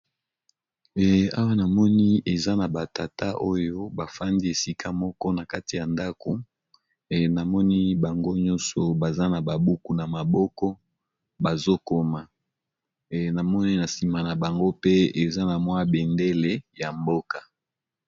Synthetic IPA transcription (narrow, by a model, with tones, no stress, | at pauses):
a̰˦wa˦na˨mɔ˦ni˦e˨za˦na˨ba˨ta˨ta˦ʔo˦jo˦ba˨fa˦ndi˦e˨si˦kʰa˦mɔ˦kɔ˦na˨ka˦ti˨ja˨nda˦ko˨ | na˨mɔ˦ni˦ba˨ŋɡo˦ɲɔ˦nsɔ˨ba˨za˦na˨ba˨bu˦ku˨na˨ma˨bɔ˦kɔ˦ | ba˨zo˦ko˦ma˨ | na˨mɔ˦ni˦na˨si˨ma˨na˨ba˨ŋɡo˦pe˦e˨za˦na˨mwa˦be˨nde˦le˦ja˨mbo˦ka˨